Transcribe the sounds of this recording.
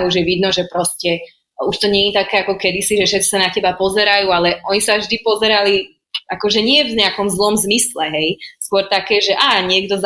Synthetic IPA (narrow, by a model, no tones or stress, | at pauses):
ɦuʒjɛʋid̪nɔʒɛpɾɔscɛ | uʃt̪ɔɲɛɲit̪akɛːakɔkɛd̪isiʒɛfʃɛt͡si̥sanacɛbapɔzɛɾajuːalɛʔɔɲisavʒd̪ipɔzɛɾali | akɔʒɛɲɪɛvɲɛakɔmzlɔmzmislɛɦɛjskʊɔɾt̪akɛːʒɛʔaːɲɪɛɡ̚d̪ɔz